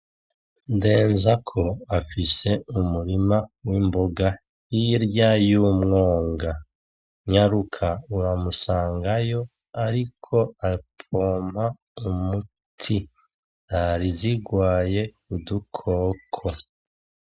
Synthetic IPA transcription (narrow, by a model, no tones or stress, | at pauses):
nde̞ːnzakʰo̞afise̞umuɾimawimboɡa | jiɾjajuːmŋoːŋɡa | ɲaɾukʰauwamusaːŋɡajo̞ | aɾikʰo̞apʰoːmha | umu | tʰi | aɾiziɡwaːje̞ | udukʰoːkʰo